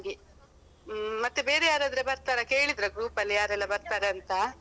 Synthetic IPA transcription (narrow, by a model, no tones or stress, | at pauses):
aɡi | mɐt̪ːebe̞ːɾejaːɾaːd̪ɾebɐɾt̪aːɾeke̞ːɭid̪ɾɐɡɾuːpɐlːijaːɾɛlːɐbɐɾt̪aːɾeɐnt̪ɐ